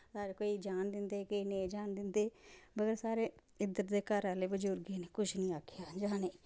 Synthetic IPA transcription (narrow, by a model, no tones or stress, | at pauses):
saːɾekoːid͡ʒaːnd̪ɪnd̪eːkoined͡ʒaːnd̪ɪnd̪eːbəɡəɾsaːɾeː | ɪd̪ət̪d̪eːkəɾaːleːbəd͡ʒoɾɡeːneːkʊt͡ʃʰnĩːaːkʰjaːd͡ʒaːneː